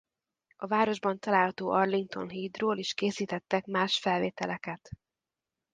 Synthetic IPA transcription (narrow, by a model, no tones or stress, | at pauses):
ɒvaːɾo̞ʒbɒnt̪ɒlaːlhɒt̪oːʔɒrliŋk̚t̪o̞̰nɦiːd̪roːliʃkeːsiːt̪ɛt̪ːɛkmaːʃfɛlveːt̪ɛlɛkɛt̪